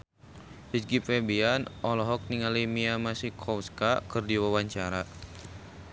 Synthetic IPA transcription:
hisɡifɛbianʔɔlɔɦɔk̚niŋalimiamasikʰɔwskakɨrdiwawaɲt͡ʃaɾa

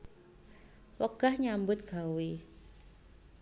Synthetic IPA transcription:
wəɡ̥ahɲambʊt̪̚ɡ̥awi

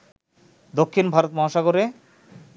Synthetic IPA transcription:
d̪okʰːinbʱaɾot̪̚mɔ̃ɦʃaɡoɾe

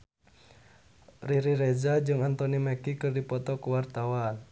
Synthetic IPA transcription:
riɾiɾɛzad͡ʒɨŋant̪ɔnimɛkikɨrdipɔt̪ɔkuwart̪awan

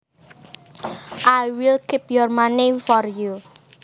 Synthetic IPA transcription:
ʔajwɪlkipjɔrmanifɔrju

